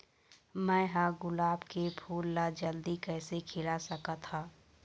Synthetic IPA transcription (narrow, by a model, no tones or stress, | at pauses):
mɛ̃ːɦaɡʊlaːbkepʰuːlːad͡ʒəld̪ikɛːsekʰɪlasɐkat̪ʰaː